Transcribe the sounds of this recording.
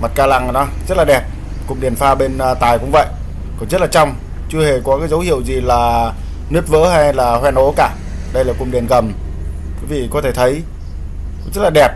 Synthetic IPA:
ma˨˩t̚kaː˧la̰˧˨ŋnɔ˨˦zə˦˥t̚laː˨˩ɗɛ˨˩p̚ | kʊ̰˨˧˩ŋ͡mɗi˨˩ənfaː˧ɓe˧n˧t̪aː˨˩jkʊ̰˧˥ŋ͡mvə̰˧˨jʔ | kɔ˨˩nzə˦˥t̚laː˨˩t͡ɕɔ˧wŋ͡m | t͡ɕɨ˧əhe˨˩kɔ˨˦kaː˨˦jzə˨˦whḭ˧˨əwzi˨˩laː˨˩ | nɨ˦˥ət̚və̰ː˧˥ha˧jlaː˨˩hwɛ˧nʔo˨˦kaː˧˩ | ɗə˧jlaː˨˩kʊ˨˧˩ŋ͡mɗi˨˩ənɣə˨˩m | kwi˨˦vḭ˧˨kɔ˨˦t̪ʰe˧˩t̪ʰə˨˦j | zə˦˥t̚laː˨˩ɗɛ˨˩p̚

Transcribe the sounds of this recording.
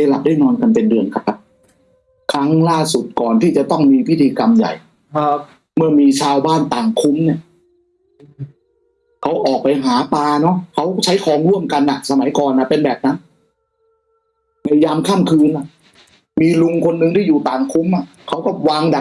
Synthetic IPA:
e˧la˨˩p̚daː˥˩jnɔː˧nka˧npe˧ndɯ˧˩ənkʰa˧˦a˧˥p̚ | kʰa˦˥˩ŋlaː˥˩su˨˩t̪̚kɔː˨˩nt̪ʰiː˥˩t͡ɕa˨˩t̪ɔ˥˩ŋmiː˧pʰi˦˥˩t̪ʰiː˧ka˧mja̰˨˩j̚ | mɯ˥˩ɐmiː˧t͡ɕʰaː˧wbaː˥˩nt̪aː˨˩ŋkʰu˦˥mni˦˥˩ɐ | kʰa˦˥wʔɔː˨˩k̚pa˧jɦaː˩˦paː˧nɔ˦˥kʰa˦˥wt͡ɕʰa˦˥jkʰɔː˧ŋɾu˥˩əmka˧nʔa˨˩sa˧ma˨˩˦jkɔː˨˩nʔa˨pe˧nbɛː˨˩p̚na˦˥n | ma˧˩jaː˧mkʰaː˥˩mkʰɯː˧nʔa˨˩ʔ | miː˧lu˧ŋkʰo˧nːɯ˧ŋt̪ʰiː˥˩juː˨˩t̪aː˨˩ŋkʰu˦˥mʔa˨˩ | kʰa˦˥wkɔ˥˩waː˧ŋda˨˩

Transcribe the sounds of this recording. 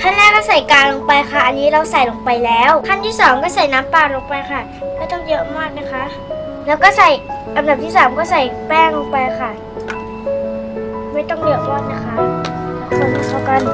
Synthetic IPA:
kʰa˥˨nlɛː˦˥˩kɔː˥˩sa˨˩jkaː˧lo˧ŋpa˧jkʰa˧˥˩ʔa˧nːiː˦˥ɾa˧˩wsa˨˩jlo˨˧ŋpa˧jlɛː˦˥wkʰa˥˩nt̪ʰiː˥˩˨sɔː˨˩˦ŋkɔː˥˩sa˨˩jnaː˦˥mpaː˧˩lo˧ŋpa˧jxʰa˧˥˩ | kaː˧˥˩t̪ɔ˥˩ŋjɤ˦˥ʔa˧maː˥˩t̪̚na˦˥kʰa˦˥ʔ | lɛː˦˥wkɔː˥˩sa˨˩j | ʔa˧mda˨˩p̚t̪ʰiː˥˩saː˩˦mkɔː˥˩sa˨˩jpɛː˥˩lo˧ŋpa˧jkʰa˧˩ | maː˥˩jt̪ɔ˥˩ŋdɯ˨˩˦ək̚pɔː˨˩t̪̚na˦˥kʰa˦˧˩ʔsʰo˧nː˧˩t̪aː˧˩ka˧˥˨n

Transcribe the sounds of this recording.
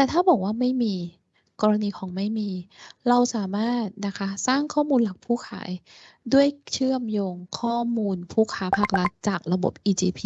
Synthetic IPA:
t̪ɛː˨˩t̪ʰaː˥˩bɔː˨˩k̚waː˥˩ma˥˩jmiː˧ | kɔː˧ɾa˧niː˧kʰɔː˩˦ŋma˥˩jmiː˧ɾa˧wsaː˩˦maː˥˩t̪̚na˦˥kʰa˦˥saː˥˩ŋkʰɔː˥˩muː˧nla˨˩k̚pʰuː˥˩kʰa̰ː˩˦j | du˥˩əjt͡ɕʰɯ˥˩əmjoː˧ŋkʰɔː˥˩muː˧npʰuː˥˩kʰaː˦˥pʰaː˥˩k̚ɾa˦˥t̪̚t͡ɕaː˨˩k̚ɾa˧bo̰˨˩p̚ʔiː˧t͡ɕiː˧pʰiː˧

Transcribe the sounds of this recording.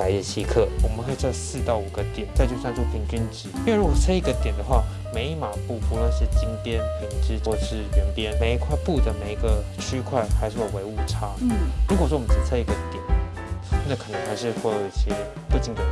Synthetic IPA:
pa˧˥ɪi˥˩t͡ɕʰi˥kʰɤ˥˩wɔ˨˩mə˦nkʰɤ˧˥i˨˩t͡sa˥˧˩sɹ̩˥˧t̪ɑ˥˩ʊu˨˩ɡə˦t̪jɛ˨˩˦nt͡sa˥˧ɪt͡ɕjo˥˧ʊsa˥˧nʈ͡ʂo˥˩pʰi˧˥nt͡ɕi˥nt͡ɕi˧˥˧ɻu˥ɔ˨˩t͡sʰa˥i˥˩ɡə˨t̪jɛ˨˩nd̪ə˦xwa˥˩ | me˧˥ɪi˧˥˩ma˨˩pu˥˨˩pu˧˥lə˧i˥˩ɕjɛ˥t͡ɕi˥ŋpjɛ˥nkʰɤ˨˩nə˧˥ŋt͡ɕʰi˧˥˩wɔ˥˧ʂʰɻ̩˥˩ɥɛ˧˥npjɛ˥nme˧˥ɪi˧kʰwa˥˧ɪpu˥˩d̪ə˩me˨˩ɪi˧˥ɡə˧ | ʈ͡ʂʰy˥kʰwa˥˩ɪxa˧˥ɪʂɻ̩˥˩ɔ˨˩we˧˥ɪu˨˩ʈ͡ʂʰa˥˩ɻu˧˥kwɔ˨˩ʂwɔ˥wmə˦t͡s̩˥˩t͡sʰa˥i˥˩ɡə˨t̪jɛ˨˩˦n˥˧ | na˥˩kʰə˨˩nə˧˥ŋxa˧˥ɪʂɻ̩˥˧kwɔ˥˩dɔ˥˧˩i˥˩ɕjɛ˥ | pu˥˩t͡ɕi˧˩ŋt̪ə˨˩

